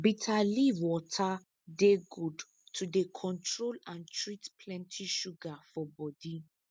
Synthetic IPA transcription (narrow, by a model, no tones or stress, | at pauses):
bitʰaliwɔtʰa | deɡud | tʰudekʰɔ̃ntɹolãntʰɹitpʰlɛ̃ntʰiʃuɡafɔbɔdi